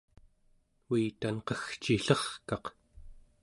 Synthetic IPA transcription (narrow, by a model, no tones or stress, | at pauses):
wiːt̪anqʌxt͡ʃiɬʌχkɑq